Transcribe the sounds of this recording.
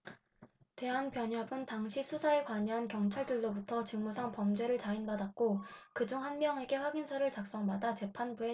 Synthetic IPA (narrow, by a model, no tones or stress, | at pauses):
te̞ɦanpjʌɲɦʌbɯntaŋɕʰisʰusʰae̞kwaɲʌɦankjʌŋt͡ɕʰaɭdɯɭːobutʰʌt͡ɕɯŋmusʰaŋpʌmd͡ʑe̞ɾɯɭt͡ɕainbadat̚k͈okɯd͡ʑuŋɦanmjʌŋe̞ɡe̞ɸwaɡinsʰʌɾɯɭt͡ɕak̚s͈ʌŋbadat͡ɕe̞pʰanbue